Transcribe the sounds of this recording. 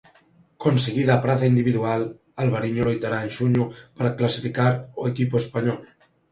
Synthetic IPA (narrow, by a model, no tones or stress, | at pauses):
konseɣiðaːpɾaθaind̪iβ̞iðual | alβaɾiɲulojt̪aɾaenʒuɲupaɾaklasifikaɾoekipoespaɲɔl